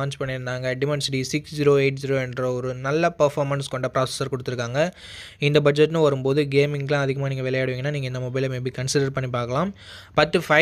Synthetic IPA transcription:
aːnt͡ʃpɐɳːɪɾɯnd̪aːŋɡɐɖɪmɛɳsɪʈisɪksd͡ʒiːɾoːeɪʈ̚d͡ʒiːɾoːɛndɾɐɔɾɯnɐlːɐpɐɾfaːɾmɐnskɔɳɖɐpɾaːsɛ̥sɐɾkɔɽɯt̪ːɯɾɯkːaːŋɡɐ | ɪnd̪ɐbɐd͡ʒɛʈːnɯ̃ʋɐɾɯmpoːðɯɡeːmɪŋɡlãːɐðɪɣɐmaːniːŋɡɐʋɪlɐjaːɽɯʋiːŋɐnːaːniːɡɐɪnd̪ɐmɔbɐɪlɐmeːbikɐɳsɪɽɐɾpɐɳːipaːɾkɐlaːm | pɐt̪ːɯfɐɪ

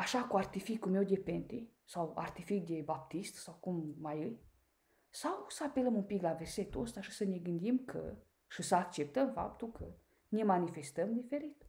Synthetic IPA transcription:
aʃakuart̪ifikume̞wd̪e̞pent̪e | sawa̰rt̪ifik̚d̪e̞bap̚t̪ist̪sawkumːajɨj | sawsəape̞ləmumpiklave̞rset̪uəst̪aʃi̥səne̞ɡɨnd̪imkʰə̰ | ʃisəakt͡ʃe̞p̚t̪əmfa̰p̚t̪ulkʰə | ne̞manife̞st̪əmd̪ife̞ɾit̪

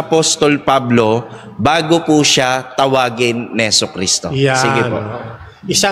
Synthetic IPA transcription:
ʔɐpost̪olpablo̞ | baːɡopuʃat̪ɐwaːɡɪnːhɛsʊkɾist̪o̰siɡɪpo̰ | ɪsa

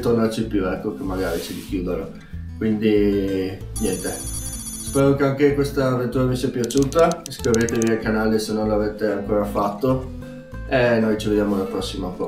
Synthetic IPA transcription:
t̪ornart͡ʃipjuɛkːok̟emːaɡaːɾit͡ʃid̪ik̟juːd̪eɾo | kwind̪i | njɛnt̪e | spɛːɾokeaŋkekwest̪aːvent̪uːɾavisiapjat͡ʃuːt̪askɾivet̪eviajkanaːlisenːonlaveːt̪eaŋkoːɾafat̪ːo | enːojt͡ʃived̪jaːmolapɾɔsːimakɔ

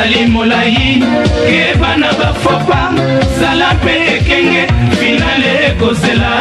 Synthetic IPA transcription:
alimɔlajinkɛbanaɓafɔpa | salampʼɛkʼɛŋɡɛfinalɛkɔsɛla

